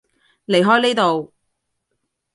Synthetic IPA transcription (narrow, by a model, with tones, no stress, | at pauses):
le˨jɦɔː˥jneː˥t̪o˨w